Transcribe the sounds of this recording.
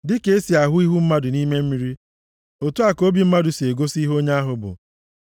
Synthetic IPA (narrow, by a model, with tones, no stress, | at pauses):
dɪ˦ke˦e˦si˨a˨ɦʊ˦i˦ɦu˦m̩˦ma˦dʊ˨ni˦me˦m̩˦mi˦ɾi˦ | o˨tu˦a˨ko˦bi˨˦m̩˦ma˦dʊ˨se˨ɡo˦si˦ɦo˦ɲa˦a˦ɦʊ˨bʊ̰˨